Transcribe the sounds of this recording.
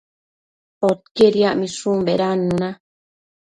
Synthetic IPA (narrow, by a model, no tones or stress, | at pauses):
ot̪̚keɾiaʔmĩsũmbeɾanːũnã